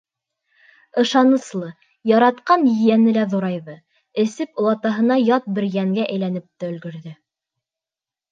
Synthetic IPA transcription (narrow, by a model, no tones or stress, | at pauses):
ɤ̆ʃɑnɤ̆slˠɤ | jɑɾɑt̪qɑnjɘ̆jænɘlæðuɾɑjðɤ | ɘ̆sɘpŏlˠɑt̪ɑɦɤ̆nɑjɑt̪̚bɘɾjæŋɡæʔæjlænɘp̚t̪æɵ̆lɡɵ̆ɾðɘ